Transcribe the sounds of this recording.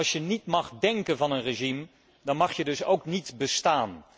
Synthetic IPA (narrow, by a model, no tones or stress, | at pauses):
sjənitmɑχdɛŋkənvɑnənreʒim | dɑnmɑχjədɵsowknitbəstaːn